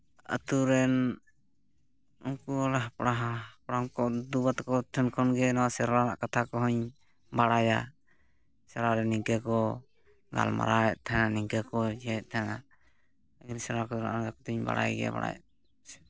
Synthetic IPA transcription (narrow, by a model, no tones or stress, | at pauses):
ə̰t̪uɾɛn | uŋkuɔlaɦpɽaɦapɽamkɔd̪ubat̪kɔt̪ʰɛnkʰɔnɡɛnawasɛɾana̰ʔkat̪ʰakɔɦɔɲ | baɽaja | sɛɾaɾɛniŋkakɔ | ɡa̰lma̰ɾaʔt̪ʰananiŋkakɔd͡ʒɛt̚t̪ʰana | ɡinsɛɾakɔna̰ʔnaɾakɔt̪uɲba̰ɽa̰jɡɛ̰ba̰ɽa̰jɛ̰